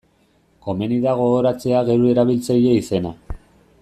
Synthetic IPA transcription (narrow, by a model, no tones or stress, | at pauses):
ko̞me̞niðaɣo̞ɣoɾat͡se̞aɣe̞ɾue̞ɾaβ̞ilt͡saje̞ise̞na